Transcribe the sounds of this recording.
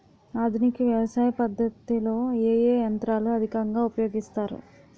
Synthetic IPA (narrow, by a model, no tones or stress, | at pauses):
aːd̪ʱunikiʋjɐʋɐsaːjɐpɐd̪ːɐt̪ilo̞ːeːjeːjɐnt̪ɾaːluɐd̪ʱikɐŋɡaːupɐjo̞ːɡist̪aːɾṵ